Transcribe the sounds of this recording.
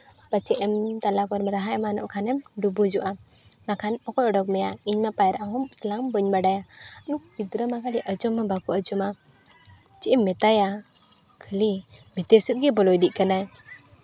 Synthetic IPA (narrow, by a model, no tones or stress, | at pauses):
bat͡ʃɛʔɛmt̪alakɔɾmɾaɦajmanɔ̰ʔkʰanɛmɖubud͡ʒɔʔa | makʰanɔkɔjɔɖɔk̬̚mɛjaiɲmapajɾaʔaɦɔmt̪laŋbəɲbaɖajanuk̚bid̪ɾəmakalɛʔəd͡ʒɔmːabakuəd͡ʒɔma | t͡ʃɛʔɛmːɛt̪aja | kʰəlimɛt̪ɛsət̪̚ɡɛbɔlɔjd̪iʔ̚kanaj